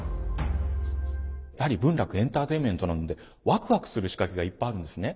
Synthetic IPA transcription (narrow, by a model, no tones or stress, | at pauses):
jahaɾʲibɯ̟̃nɾakɯ̟ẽ̞nt̪aːt̪e̞imʲẽ̞nt̪o̞nãno̞d̪e̞ | βakɯ̟βakɯ̥sɨɾɯ̟ɕi̥kakʲeɡaipːajaɾɯ̟̃nd̪e̞sɨne̞